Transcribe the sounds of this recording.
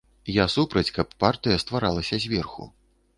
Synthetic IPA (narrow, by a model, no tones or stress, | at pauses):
jasupɾɐt͡sʲkɐpːart̪ɨjɐst̪vaɾalˠɐsʲɐzʲvʲɛrxṵ